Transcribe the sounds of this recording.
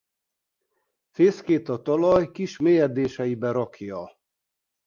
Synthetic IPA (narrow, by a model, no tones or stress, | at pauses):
feːskeːt̪ɒt̪ɒlɒjkiʃmeːjɛd̪eːʃɛibɛɾɒkʰjɒ